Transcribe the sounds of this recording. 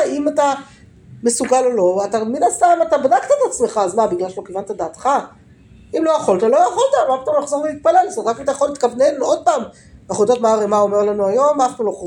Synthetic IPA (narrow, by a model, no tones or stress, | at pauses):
imata | me̞suɡalolo̞at̪aminast̪amat̪abadakt̪aet̪at͡sme̞χaːzmabiɡlaʃlokevant̪ad̪aːt̪χa | imlojaχo̞ltalo̞jaχolt̪alakt̪ameχzoʁleit̪̚pale̞lsotʁakimat̪ajaχo̞lit̪kavnenuod̪̚paːm | aχudotmaːʁemao̞meʁlanuajo̞manaχnuloχ